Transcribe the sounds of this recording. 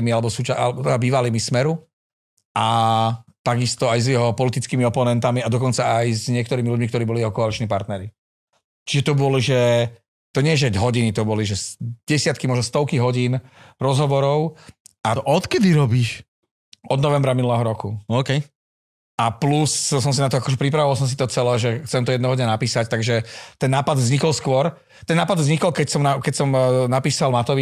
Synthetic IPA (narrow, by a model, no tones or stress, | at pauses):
mialɛbɔsuːt͡ʃaalɛbɔɛd̪abiːʋalimismɛɾu | ʔa | t̪aɡist̪ɔajzjɛɦɔpɔlit̪it͡skiːmiɔpɔnɛnt̪amiad̪ɔkɔnt͡saajzɲɪɛkt̪ɔɾiːmiluɟmikt̪ɔɾiːbɔlijɛɦɔkɔalit͡ʃniːpaɾt̪nɛɾi | t͡ʃiʒɛt̪ɔbɔliʒɛ | t̪ɔɲɪɛʒɛɦɔɟinit̪ɔbɔliʒɛsɟɛsɪat̪kimɔʒnɔst̪ɔʊkiɦɔɟiːnɾɔzɦɔʋɔɾɔʊʔaʔɔt̪kɛd̪iɾɔbiʃ | ʔɔd̪nɔʋɛmbɾaminulɛɦɔɾɔkuɔːkɛj | ʔaplussɔms̬inat̪ɔakɔʒɛpɾipɾaʋɔʋals̬ɔms̬it̪ɔt͡sɛlɛːʒɛxt͡sɛmt̪ɔjɛd̪nɛɦɔd̪ɲɛnapiːsact̪aɡʒɛt̪ɛnːaːpad̪vzɲikɔlskʊɔɾ | t̪ɛnːaːpad̪vzɲikɔlkɛcsɔmnakɛcsɔmnapiːsalmat̪ɔʋi